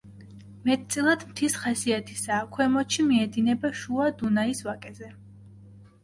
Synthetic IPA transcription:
mɛt̪̚t̪sʼilˠad̪mt̪ʰisχasiat̪ʰisaːkʰwɛmɔt͡ʃʰimiɛd̪inɛbaʃuad̪unaisvakʼɛzɛ

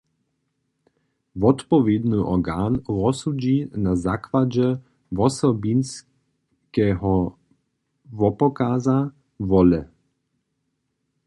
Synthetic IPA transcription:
vɔt̪pɔvjed̪nɨʔɔɡaːnʁɔsud͡ʑinazakʋad͡ʑɛ | vɔsɔbins | kɛɦɔ | vɔpɔkaza | vɔlɛ

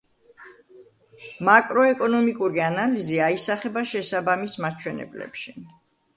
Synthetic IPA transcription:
makʼɾɔɛkʼɔnɔmikʼuɾianaliziaisaχɛbaʃɛsabamismat͡ʃʰwɛnɛ̰blɛ̰pʃi

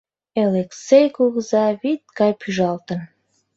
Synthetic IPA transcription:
eleksejkuɣəzɑβit̪̚kɑjpʰyʒɑlt̪ə̆n

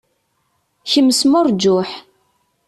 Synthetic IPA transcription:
çəmːəsmʊɾˤd͡ʒʊħ

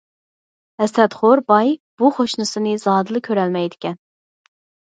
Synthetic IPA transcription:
hɛsɛt̪χoɾbɑjb̥uχoʃnɨsɨnɨzɑːd̪ɨlˠɨkʲʰøɾɛlmɛjd̪ɪkʲɛn

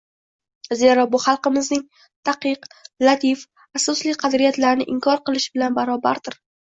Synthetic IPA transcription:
ze̞ɾɒbʊχɑlˠqɨmɪznɪŋ | t̪ʰaqɨqlˠat̪ʰif | asɒslɪqʰɑd̪ɾijat̪laɾnɪʔɪŋkʰɒɾqɨlˠɪʃbɪlanbaɾɒba̰ɾd̪ɪɾ

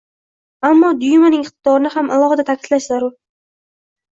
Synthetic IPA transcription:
amːɒd̪ʊjmanɪŋɪχt̪ɪd̪̥ɒɾɪnɪhamalˠɒʁad̪at̪ʰakʲʰɪ̥d̪̥laʃzaɾʊɾ

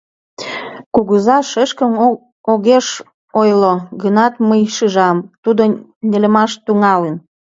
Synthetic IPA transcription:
kuɣəzɑʃəʃkəm | oɣeʃ | ojloɣənɑt̪məjʃɯʒɑmt̪ud̪onʲelə̆mɑʃt̪uŋɑlən

